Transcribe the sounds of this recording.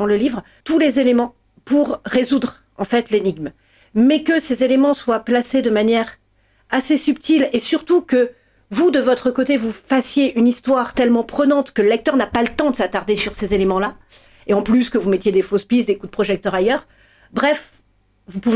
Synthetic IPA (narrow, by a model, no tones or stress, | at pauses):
ɑ̃ləlivʁ | t̪ulezelemɑ̃ | puʁːezud̪ʁ | ɑ̃fɛt̪leniɡm | mɛkəsezelemɑ̃swaplased̪əmanjɛʁ | asesyp̚t̪ilesyʁt̪ukə | vud̪əvɔt̪χəkot̪evufasjeʔynist̪waʁt̪ɛlmɑ̃pχənɑ̃t̪kələlɛk̚t̪œʁnapalət̪ɑ̃d̪əsat̪aʁd̪esyʁsezelemɑ̃la | eɑ̃plyskəvumɛt̪jed̪efospisd̪ekud̪əpχɔʒɛk̚t̪œʁajœʁ | bʁɛf | vupuv